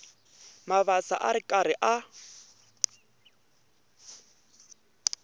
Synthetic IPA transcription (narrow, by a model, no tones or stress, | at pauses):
maβasa̰ʔaɾɪkʼaɾɪʔa